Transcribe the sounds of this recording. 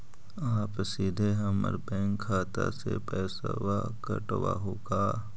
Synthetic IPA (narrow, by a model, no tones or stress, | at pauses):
aːpsiːd̪ʱeɦɐməɾbɛ̃ːŋkʰːaːt̪asepɛːsawakəʈwaɦoːɡaː